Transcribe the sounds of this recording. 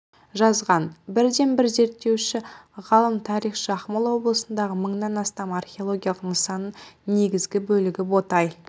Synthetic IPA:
ʒɑzʁɑnbɪɾd̪e̞nbɪɾze̞ɾt̪ːe̞wʃɪʁɑlˠəmt̪ʰɑɾijχʃɑχmɑlˠwo̞blˠəsənd̪ɑʁəməɴnɑnɑst̪ɑmɑrχʲeo̞lˠo̞ɡʲijalˠəʁd̪əɴsɑnənne̞ɡʲɪzɡʲɪbɵlɪɡʲɪbo̞t̪ɑj

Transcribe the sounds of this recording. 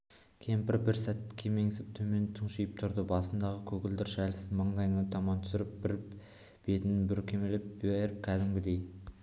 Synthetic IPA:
kʲʰe̞mpɪɾbɪɾsæt̪kʲʰeme̞ŋɪsɪp̚t̪ʰɵme̞nt̪ʰəɴʃijəp̚t̪ʰʊɾd̪əbɑsənd̪ɑʁəkʲʰɵkʲɪld̪ɪɾʃælɪsɪnmɑɴd̪ɑjnɑt̪ʰɑmɑnt̪ʰʏ̥sɪɾɪp̚b̥ɪɾ | b̥e̞t̪ɪnbɪɾkʲʰe̞melɪp̚beɾɪp̚kʲʰæd̪ɪmɡʲɪd̪e̞j

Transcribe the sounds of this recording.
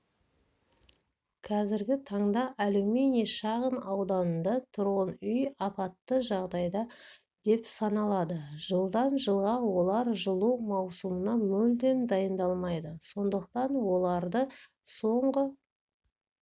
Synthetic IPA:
kʰɑzɪɾɡʲɪt̪ʰɑɴd̪ɑʔæluwmeneʃɑʁənɑwd̪ɑnənd̪ɑt̪ʰʊɾʁənʏjɑpɑt̪ːəʒɑʁd̪ɑjd̪ɑ | d̪̥e̞psɑnɑlˠɑd̪əʒ̥əlˠd̪ɑnʒəlˠʁɑwo̞lˠɑɾʒəlˠuwmɑwsumənɑmɵld̪e̞md̪ɑjənd̪ɑlˠmɑjd̪əso̞nd̪əq̚t̪ɑnwo̞lˠɑɾd̪ə | so̞ɴʁə

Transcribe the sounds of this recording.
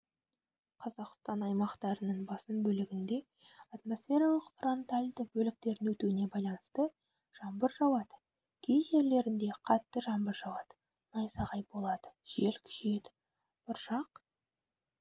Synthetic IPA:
qʰɑzɑqst̪ɑnɑjmɑqt̪ɑɾənəɴbɑsənbɵlɪɡʲɪnd̪e̞ | ɑt̪mo̞sfʲe̞ɾɑlˠəqfro̞nt̪alʲd̪əbɵlɪk̚t̪e̞ɾɪnwɵt̪uɪne̞bɑjlˠɑnəst̪ə | ʒ̥ɑmbəɾʒɑwˠɑd̪ə | kʲʰejʒe̞ɾle̞ɾɪnd̪e̞qʰɑt̪ːəʒɑmbəɾʒɑwˠɑd̪ə̥ | nɑjsɑʁɑjbo̞lˠɑd̪̥əʒ̥e̞lkʲʰɪ̥ʒe̞d̪ɪ | b̥ʊɾʒɑq

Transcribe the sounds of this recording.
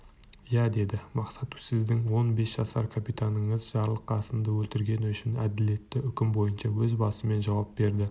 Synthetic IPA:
jæd̪e̞d̪ɪmɑqsɑt̪usɪzd̪ɪŋwo̞nbe̞sʒ̥ɑsɑɾkʰapijt̪ʰanəɴəzʒɑɾlˠəqʰːɑsənd̪əwɵlt̪ɪɾɡʲe̞nʏʃɪnæd̪ɪle̞t̪ːɪʔʏkʲɪmbo̞jənʃɑwɵzbɑsəme̞nʒɑwɑp̚be̞ɾd̪ɪ

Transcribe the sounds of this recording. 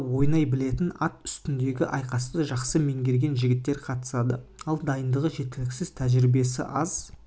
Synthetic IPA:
wo̞jnɑjbɪle̞t̪ɪnɑt̪ʏst̪ɪnd̪e̞ɡʲɪʔɑjqɑst̪əʒɑqsəme̞ŋɡʲe̞ɾɡʲe̞nʒɪɡʲɪt̪ːe̞ɾqʰɑt̪ə̥sɑd̪əɑlˠd̪ɑjənd̪əʁəʒe̞t̪ːɪlɪkʲsɪz̥t̪ʰæʒɾɪbe̞sɪ̰ʔɑz

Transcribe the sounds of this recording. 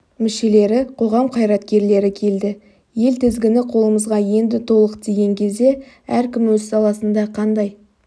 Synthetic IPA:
mɪʃe̞le̞ɾɪqʰo̞ʁɑmqʰɑjɾɑt̪kʲe̞ɾle̞ɾɪkʲʰe̞ld̪ɪ | je̞lt̪ʰɪzɡʲɪnɪqʰo̞lˠəməzʁɑje̞nd̪ɪt̪ʰo̞lˠəqt̪ʰeɡʲe̞ŋkʲe̞zd̪e̞ | æɾkʲɪmwɵzsɑlˠɑsənd̪ɑqʰɑnd̪ɑj

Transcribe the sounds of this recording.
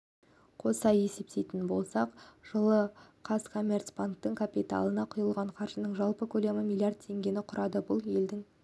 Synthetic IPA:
qʰo̞sɑje̞se̞p̚t̪e̞jt̪ɪnbo̞lˠsɑqʒ̥əlˠəqʰɑskʰo̞mʲert̪spank̚t̪əŋkʰapʲit̪a̰lˠənɑqʰʊjəlˠʁɑɴqʰɑɾʒənəɴʒɑlˠpəkʲʰɵle̞mɪmʲilˠijard̪̚tʰe̞ŋɡʲe̞nɪqʰʊɾɑd̪əbʊlˠje̞ld̪ɪŋ

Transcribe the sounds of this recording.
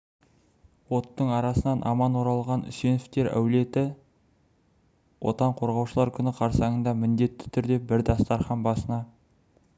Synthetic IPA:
wo̞t̪ːəɴɑɾɑsənɑnʔɑmɑnwo̞ɾɑlˠʁɑnʏ̰se̞nɪft̪e̞ɾæ̰wle̞t̪ɪ | wo̞̰t̪ɑɴqʰo̞ɾʁɑwʃəlˠɑɾkʲʰʏnɪqʰɑɾsɑɴənd̪ɑmɪnd̪e̞t̪ːɪ̥t̪ʰʏɾd̪e̞bɪɾd̪ɑst̪ɑɾχɑnbɑsənɑ

